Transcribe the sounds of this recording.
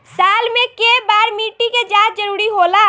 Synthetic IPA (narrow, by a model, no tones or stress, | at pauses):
saːlmẽkebaːɾmiːʈiked͡ʒaːt̪̚d͡ʒəɾuːɾiɦola